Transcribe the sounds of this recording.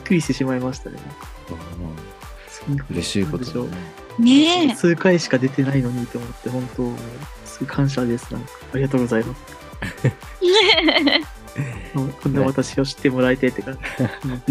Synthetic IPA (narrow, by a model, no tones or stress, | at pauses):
bikːɯɾʲiɕi̥t̪eɕimaimaɕi̥t̪a̰nḛnakḁ | sikoɾeɕiːotd̪eɕo̞ | net͡sɨːkaiɕi̥kad̪e̞t̪e̞naino̞ɲ̟it̪oomo̞t̪ːe̞hõ̞nt̪o̞moː | sɨɡokʰãɰ̃ɕ̬ad̪e̞sɨ̥nã̰ŋkḁːɾʲiɡat̪̬o̞ːɡo̞zaimasɨ̥ | moːkʰond̪aat̪aɕio̞ɕi̥t̪ːe̞mo̞ɾaet̪e̞t̪ːekḁ̃